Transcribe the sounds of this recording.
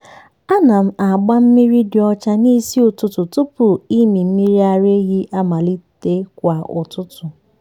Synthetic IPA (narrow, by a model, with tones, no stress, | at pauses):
a˦na˨m̩˦a˨ɡ͡ba˦m̩˦mi˦ɾi˦dɪ˨ɔ˦t͡ʃa˦ni˦si˦ʊ˨tʊ˦tʊ˨tʊ˦pʊ˨i˦mi˨m̩˦mi˦ɾi˦a˨ɾe˦ɣi˦ʔa˦ma˨li˦te˦kʷa˨ʊ̰˨tʊ˦tʊ˨